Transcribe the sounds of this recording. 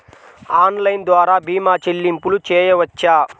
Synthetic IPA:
aːnlɐjnd̪ʋaːɾaːbiːmaːt͡ʃelːimpulut͡ʃɛːjɐʋɐt͡ʃːaː

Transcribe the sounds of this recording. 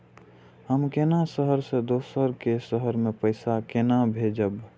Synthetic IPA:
həmkenasəɦəɾsed̪oːsəɾkesəɦəɾmẽpəɪsakenabʱed͡ʒəb

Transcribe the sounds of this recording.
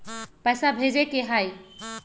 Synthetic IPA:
pəjsabʱed͡ʑekeɦaj

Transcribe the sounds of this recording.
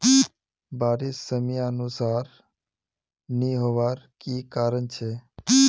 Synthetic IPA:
baːɾissəmijaənusaːɾ | niɦoʋaːɾkiːkaːɾənt͡ʃʰeː

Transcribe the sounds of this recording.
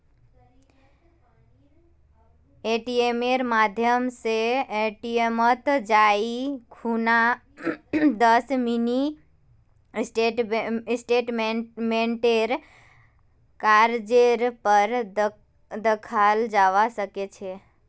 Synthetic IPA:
eʈiemeɾmad̪ʱjəmseeʈiemət̪d͡ʒaikʰuna | d̪əsmini | sʈeʈsʈeʈmmẽɳʈeɾ | kaɾd͡ʒeɾpəɾ | d̪əkʰald͡ʒaʋasəket͡ʃʰe

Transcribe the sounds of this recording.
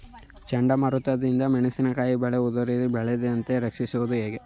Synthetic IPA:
t͡ʃɐɳɖɐmɐɾut̪ːɐd̪ind̪ɐmɛnɐsinɐkaːjibɛɭeud̪ɐɾid̪ibɛɭed̪eɐnt̪eɾɐkʂisuʋɐd̪uɦeːɡe

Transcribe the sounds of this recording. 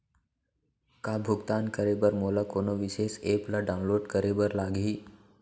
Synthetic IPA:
kaːbʱʊɡt̪aːnkəɾebəɾmoːlakoːnoʋɪʃeːseːpləɖaʊ̃nloːɖkəɾebəɾlaːɡiː

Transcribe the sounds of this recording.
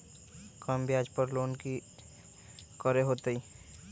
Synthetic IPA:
kəmbʱiaːd͡ʒpəɾloːnki | kəɾeɦoːt̪əiː

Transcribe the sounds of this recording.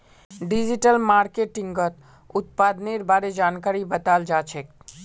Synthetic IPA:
ɖid͡ʒiʈəlmaːɾkeʈɪ̃ŋɡɡət̪ | ʊt̪̚paːd̪neɾbaːɾed͡ʒaːnkaːɾibɐt̪aːld͡ʒaːt͡ʃʰek

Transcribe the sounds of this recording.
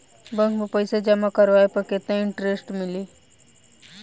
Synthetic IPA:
bə̃ŋkmẽpəjsed͡ʒɐmakəɾʋaːepəket̪ẽɪ̃ɳʈɾesʈmɪliː

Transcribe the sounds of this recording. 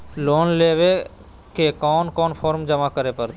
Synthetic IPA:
loːnleːʋe | kekɔːnkɔːnpʰɔːɾmd͡ʒəmakəɾepəɾ

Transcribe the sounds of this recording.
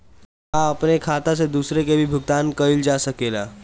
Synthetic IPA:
aɐpnekʰaːt̪ãs̬ed̪uːsɾekebʱibʱʊɡ̚t̪aːnkəɪld͡ʒaːsɐkeːlaː

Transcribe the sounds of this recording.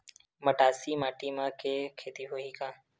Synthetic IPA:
məʈaːsiːmaːʈiːmãːkʰeːkʰeːt̪iːɦoːiːkãː

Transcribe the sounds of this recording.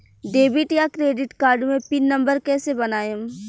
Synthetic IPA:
ɖeːbɪʈjakɾeːɖɪʈkaːɾɖmẽpɪnːɐ̃mbəɾkɛːsebɐnaːjem

